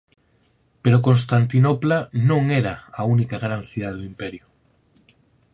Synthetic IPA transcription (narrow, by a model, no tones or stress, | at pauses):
peɾokõnst̪ant̪inoplanõŋeɾaaunikaɣɾãnθiðaðuimpeɾju